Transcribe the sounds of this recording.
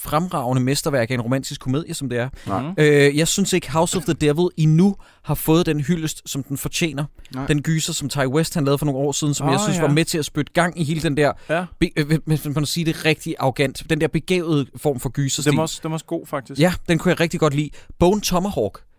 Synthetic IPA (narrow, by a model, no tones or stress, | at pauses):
fʁamʁɑ̈ʊnəmesd̥ɐʋæɐɡ̥ɐe̝nʁo̝mæn̰d̥isɡ̥kʰːo̝me̝ð̞̰ˠjəsɒ̽md̥e̝æɐøjɑ̈ɪsynse̝ɡ̥əɦäʊsɒ̽fðəd̥eʋð̩ˠinu | hɑ̈fɔ̽ːð̞̩ˠd̥enɦyl̰əsd̥sɒ̽md̥enfɒt͡ɕʰḛːnɐ̥enɡ̥yːsɐsɒ̽mt͡sʰɑ̈ɪwesd̥hænlɛːðˠfɒno̝ːŋ̩ɒ̰ːsið̞ˠn̩sɒ̽mjɑ̈ɪsynsʋɑ̈met͡sʰe̝æsb̥ød̥ə̥ɡ̥ɑ̈ŋ̰iɦe̝ːləd̥end̥æɐ̰b̥eeemænsiːd̥e̝ʁɛɡ̥̚d̥iʔɑ̈ɡ̥æn̰d̥d̥end̥eɛɐb̥e̝ɡ̥ɛ̰ːʊð̞̩ˠəfɒ̰ːmfɒ̽ɡ̥yːsɐsd̥ɡ̥o̝̰ːfɑɡ̥̚d̥ijæd̥enkʰujɑ̈ɪʁɛɡ̥̚d̥iɡ̥ɒ̽d̥lḭːb̥ɔʊnt͡sʰɒ̽mɐhɒɡ̥